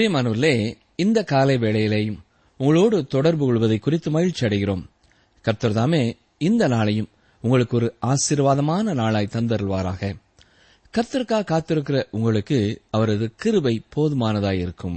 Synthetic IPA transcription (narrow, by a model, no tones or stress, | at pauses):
emɐːnɯːɾleː | ɪnd̪ɐkaːlɐɪʋeːɭɐjɪleːjɯm | ʊŋɡɐɭoːɽɯt̪ɔɽɐɾbɯkɔɭʋɐðɐɪkːʊrɪt̪ːɯmɐjɪlt͡ʃɐɽɪɣɪroːm | kɐɾt̪ːɐɾɐt̪aːmeː | ɪnd̪ɐnaːɭɐjɯm | ʊŋɡɐɭɯkːɯɔɾɯaːsɪɾʋaːðɐmaːnɐnaːɭaːjt̪ɐnd̪ɐɾɐɭʋaːɾa̰ːɣɐ | kɐɾt̪ːɐɾɯkːaːkaːt̪ːɪɾɯkːɪrɐʔʊŋɡɐɭɯkːɯɐʋɐɾɐðɯkɪɾɯbɐɪpoːðɯmaːnɐðaːjɪɾɯkːɯm